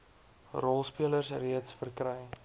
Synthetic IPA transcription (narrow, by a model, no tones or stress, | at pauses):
rɔlˠspiələrsriətsfərkɾəj